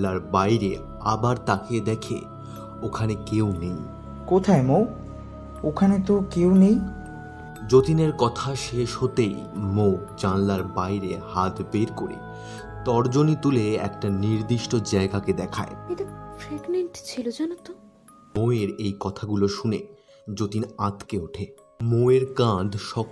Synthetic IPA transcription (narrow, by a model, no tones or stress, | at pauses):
laɾbajɾe | abaɾt̪aked̪ɛkʰḛ | okʰanekewnej | kot̪ʰaemo | okʰanet̪okewnej | d͡ʑot̪ineɾkɔt̪ʰaʃeʃhot̪ejmod͡ʑanlaɾbajɾehat̪beɾkoɾḛ | t̪ɔɾd͡ʑonit̪uleɛ̰kʈaniɾd̪iʃʈod͡ʑaeɡaked̪ɛkʰa̰eet̪ofɾeɡmeɳʈt͡ɕʰilod͡ʑɛnot̪o | moeɾejkɔt̪ʰaɡuloʃunḛ | d͡ʑot̪inat̪keuʈʰe | moeɾkãd̪ʱʃɔk